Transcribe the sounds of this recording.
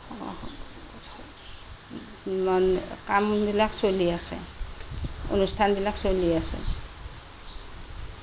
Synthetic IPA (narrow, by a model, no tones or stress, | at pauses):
mankambilaksoliasɛ̰̃ | o̰nust̪ʰanbilaksoliasɛ̰̃